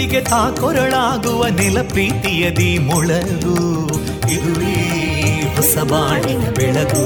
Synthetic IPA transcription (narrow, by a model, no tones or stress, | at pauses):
iɡet̪aːkɔɾɐɭaːɡuʋɐnilɐpɾiːt̪ijɐd̪imɔɭɐ | ɡu | id̪uɭi | ɦɔsɐbaːɳinɐbɛɭɐɡu